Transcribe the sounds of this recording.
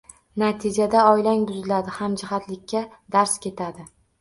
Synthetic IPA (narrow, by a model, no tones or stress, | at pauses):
nat̪ʰɪd͡ʒad̪aɒjlaŋbʊzɪlad̪ɪhamd͡ʒɪɦat̪lɪkʲʰːa | d̪aɾskʲe̞t̪ʰad̪ɪ